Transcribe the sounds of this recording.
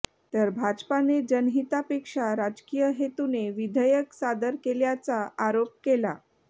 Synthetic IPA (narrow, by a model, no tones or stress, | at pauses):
t̪əɾbʱad͡zpaned͡ʑənɦit̪apekʂaɾad͡zkijəɦet̪uneʋid̪ʱəjəksad̪əɾkeljat͡saʔaɾop̚kela